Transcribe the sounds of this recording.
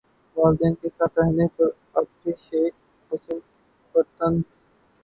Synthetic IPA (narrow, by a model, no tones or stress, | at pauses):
ʋaːld̪ɛːnkesaːt̪ʰɾɛɦnepɐɾ | ɐb̚ʈeʃeː | pɐt͡ʃɪn | pəɾt̪əns